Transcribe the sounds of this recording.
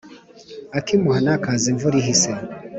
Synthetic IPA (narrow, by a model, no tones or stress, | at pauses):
akimuhanakaziɱvuɾiɦise